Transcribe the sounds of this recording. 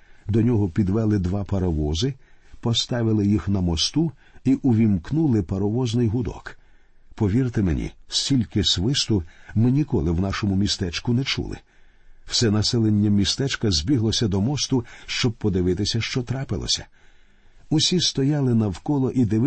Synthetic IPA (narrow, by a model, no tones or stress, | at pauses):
d̪ɔnʲɔɦɔpʲid̪ʋɛlˠɪd̪ʋɑpɐɾɔʋɔzɪpɔst̪ɑʋɪlˠɪjixnɐmɔst̪u | iʔʊʋʲimknulˠɪpɐɾɔʋɔznɪjɦʊd̪ɔ̰k | pɔʋʲirt̪ɪmenʲḭsʲtʲilʲkɪsʋɪst̪ʊmɪnʲikɔlˠɪwnɑʃɔmʊmʲist̪ɛt͡ʃkʊnɛt͡ʃṵlˠɪ̰ | wsɛnɐsɛlˠenʲːɐmʲist̪ɛt͡ʃkɐzʲbʲiɦlˠɔsʲɐd̪ɔmɔst̪ʊʃt͡ʃɔb̚pɔd̪ɪʋɪt̪ɪsʲɐʃt͡ʃɔt̪ɾɑpɪlˠɔ̰sʲɐ̥ | ʊsʲist̪ɔjɑlˠɪnɐwkɔlˠɔʔid̪ɪʋ